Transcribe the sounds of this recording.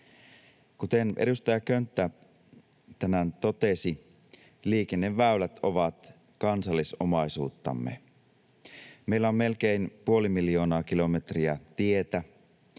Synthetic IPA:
kut̪e̞nʔḛdust̪ɑjɑkønt̪ːæ | t̪æmænt̪o̞t̪e̞si | liːk̟enːeʋːæylæt̪oʋɑt̪ | kɑnsɑlːiso̞̰mɑisuːt̪ːɑ̰mːe̞̰ | meilːæomːe̞lk̟e̞inpuo̞limiljo̞ːnɑːkilo̞me̞t̪riæt̪ie̞t̪æ

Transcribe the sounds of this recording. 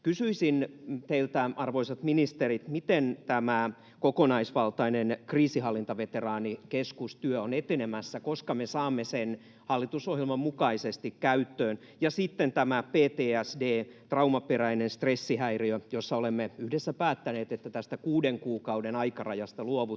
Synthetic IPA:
kysyisint̪eilt̪æɑrʋoisɑt̪minist̪erit̪mit̪ent̪æmæ | kokonɑisʋɑlt̪ɑinenkriːsihɑlːint̪ɑʋet̪erɑːnikeskust̪yøonet̪enemæsːækoskɑmesɑːmːesen | hɑlːit̪usohɦjelmɑmmukɑisest̪ikkæyt̪ːøːn | jɑsit̪ːent̪æmæpeːt̪eːæsdeːt̪rɑumɑperæinenst̪resːihæiriøjosːɑolemːeyhdesːæpæːt̪ːæneːt̪et̪ːæt̪æst̪ækuːdeŋkuːkɑudenɑikɑrɑjɑst̪ɑluoʋu

